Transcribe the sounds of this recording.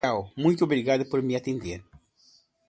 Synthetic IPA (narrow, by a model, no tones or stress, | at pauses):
awmũjt̪oβɾiɣaðʊpoɾmiat̪ẽnd̪eɾ